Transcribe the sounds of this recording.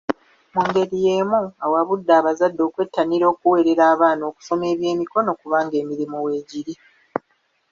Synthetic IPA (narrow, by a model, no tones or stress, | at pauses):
muŋɡe̞ɾije̞ːmuawaβudːaːβazadːo̞ːkwe̞tːaniɾo̞ːkuwe̞ːɾe̞ɾaːβaːno̞ːku̥so̞me̞ːβje̞ːmiko̞no̞kuβaːŋɡe̞ːmiɾimuwe̞ːɟiɾi